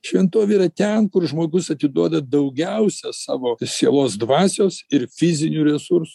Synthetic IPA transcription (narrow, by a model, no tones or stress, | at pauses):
ʃʲʋʲɛnt̪oːʋʲeiɾɐt̪ʲɛnkʊɾʒmoːɡʊsɐt̪ʲɪd̪uɔd̪ɐd̪ɐʊɡʲɛʊsʲɛsɑ̰ːʋoːsʲeɛlˠoːsd̪ʋɑːsʲoːsɪɾfʲɪzʲɪnʲuːɾʲɛsuɾsʊ